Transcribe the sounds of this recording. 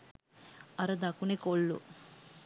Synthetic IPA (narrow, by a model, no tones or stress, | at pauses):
ɐɾɐd̪akunekoɭːṵ